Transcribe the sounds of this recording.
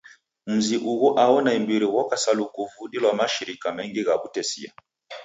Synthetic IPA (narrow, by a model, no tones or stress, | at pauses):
m̩ziʔuɣɔʔaɔnaimbiɾiwɔkasalukuvuɗilwamaʃiɾikamɛŋɡiɣaβutɛsḭa̰